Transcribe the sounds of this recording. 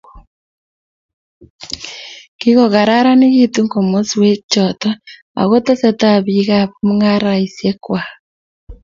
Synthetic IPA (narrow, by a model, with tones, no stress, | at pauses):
ki˦ɣo˨ɣa˨ɾa˦ɾa˦ne˦ɣi˦tu˦ŋko˨mo˦swe˦t͡ʃɔ˨tɔ˦ | a̰˨ɣo˦te˦se˦ta˦βi˨ɣa˦βmu˦ŋa˦ɾa˨i˨sje˦kwa